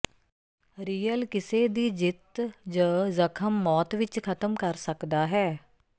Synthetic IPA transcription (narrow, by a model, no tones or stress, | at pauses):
ɾiːəlkɪseːd̪iːd͡ʒɪt̪d͡ʒəzəkʰəmːɔːt̪ʋɪt͡ʃkʰət̪əmkəɾsəkd̪aːɦɛː